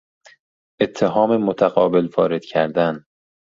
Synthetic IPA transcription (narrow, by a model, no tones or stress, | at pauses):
ʔe̞t̪ʰːeɦɒːmemot̪ʰæɣɒːbe̞lfɒːɾed̪cʰæɾd̪æn